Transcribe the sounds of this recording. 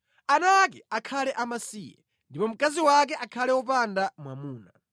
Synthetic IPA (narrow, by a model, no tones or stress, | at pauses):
anaːkɛakʰalɛʔamasiːjɛ̰ | ndipɔm̩kaziwak̬ɛʔakʰalɛwɔp̬andamwa̰muːna̰